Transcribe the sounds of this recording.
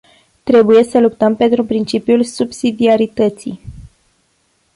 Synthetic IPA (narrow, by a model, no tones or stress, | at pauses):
t̪ɾe̞buje̞səlupt̪əmpe̞nt̪ɾupɾint͡ʃipjulsubsid̪iaɾit̪ət̪sḭj